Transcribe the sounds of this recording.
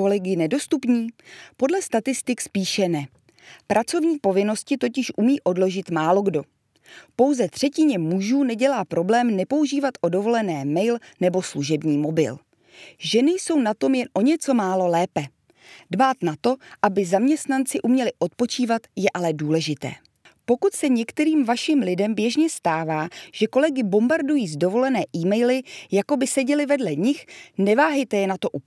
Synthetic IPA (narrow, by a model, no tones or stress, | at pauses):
olɛɡɪnɛdo̞st̪upɲiːpo̞dlɛst̪at̪ɪst̪ɪkspiːʃɛnɛ | pɾʔat͡so̞vɲiːpo̞vɪno̞scɪt̪o̞cɪʃʔumiːʔo̞dlo̞ʒɪt̪maːlo̞ɡdo̞ | po̞wzɛt̪r̝̥ɛcɪɲɛmuʒuːnɛɟɛlaːpɾo̞blɛːmnɛpo̞uʒiːvat̪ʔo̞do̞vo̞lɛnɛːmɛjlnɛbo̞sluʒɛbɲiːmo̞bɪ̰l | ʒɛnɪjso̞wnat̪o̞mjɛnʔo̞ɲɛt͡so̞maːlo̞lɛːpɛ | dbaːt̪nat̪o̞ʔabɪzamɲɛst̪nant͡sɪʔumɲɛlɪʔo̞t̪̚po̞t͡ʃiːvat̪jɛʔalɛduːlɛʒɪt̪ɛ̰ː | po̞kut̪sɛɲɛkt̪ɛɾiːmvaʃimlɪdɛmbjɛʒɲɛst̪aːvaːʒ̥ɛko̞lɛɡɪbo̞mbaɾdujiːzdo̞vo̞lɛnɛːʔiːmɛjlɪjako̞bɪsɛɟɛlɪvɛdlɛɲɪxnɛvaːɦɛjt̪ɛjɛnat̪o̞ʔu